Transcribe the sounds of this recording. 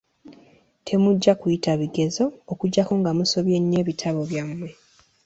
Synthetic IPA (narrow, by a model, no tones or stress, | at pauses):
tʰe̞muɟːakujitaβiɡe̞zo̞ːkuɟːakoːŋɡamuso̞βje̞ɲːe̞ːβitʰaβo̞βjamwe̞